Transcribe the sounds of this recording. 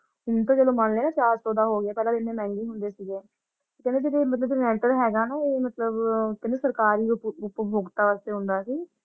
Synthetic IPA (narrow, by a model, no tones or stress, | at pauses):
ʊnt̪õːd͡ʒeːlõːmanleːnãːt͡ʃaːɾsoːd̪aːɦoːɡɪaːpɛːlãːd̪ɪnẽːmɛ̃ːŋɡiːɦʊnd̪eːsiːɡeː | t̪ːkɛ̃nd̪eːd͡ʒeːɾeːmət̪ləbd͡ʒːnɛːʈəɾɦɛːɡaːnaːeːmət̪ləbkɪneːsəɾkaːɾiːʊpʊpbʱoːɡt̪aːʋaːst̪eːɦʊ̃nd̪aːsiː